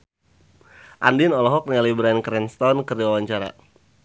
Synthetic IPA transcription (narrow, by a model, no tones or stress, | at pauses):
ʔa̰ndinɔlɔɦɔk̚niŋalibɾankɾɛnst̪ɔnkərdiwawaɲt͡ʃaɾa̰